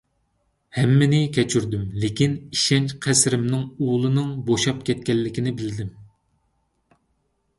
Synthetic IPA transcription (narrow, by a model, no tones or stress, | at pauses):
hɛmːɪnɪkʲʰɛt͡ʃʰyɾd̪ymlekʲiniʃɛnt͡ʃqʰæsɾɪmnɪŋulˠɨnɨŋboʃɑpkʲʰɛt̪̚kʲɛlːɪkʲinɪbɪld̪ɪm